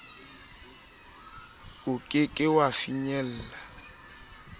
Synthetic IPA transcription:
ʊkʼɪkʼɪwafiɲɛl̩ːla

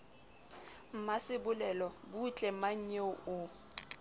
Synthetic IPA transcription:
m̩masɪbʊlɛlɔbut͡ɬʼɛmaɲ̩ɲɛʊ

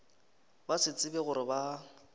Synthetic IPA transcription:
basɪt͡sʼɪbɛɣʊɾɪba

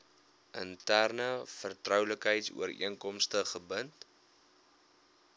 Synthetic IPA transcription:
ʔəntærnəfərtrœwləkɦəjtsṵəɾḭəŋkɔmstəχəbənt

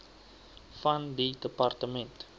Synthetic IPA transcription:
fɐndidəpɐrtəmɛnt

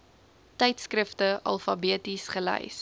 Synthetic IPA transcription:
tɛjtskrəftəʔɐ̰lˠfɐbiətisχəlɛ̰js

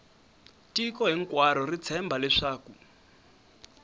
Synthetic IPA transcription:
tikɔɦiŋkwaɾɔrit͡sʰɛmbʱalɛʂaːku

